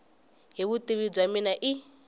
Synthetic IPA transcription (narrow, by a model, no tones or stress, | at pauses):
ɦiβutʼiβib͡ʐʷaminaʔɪ